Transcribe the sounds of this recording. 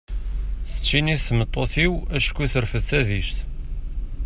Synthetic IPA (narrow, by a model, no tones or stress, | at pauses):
θə̥t͡ʃːiniθθəmət̪ˤːoθiwæʃkʷːiθəɾfəðθæðiʃt̪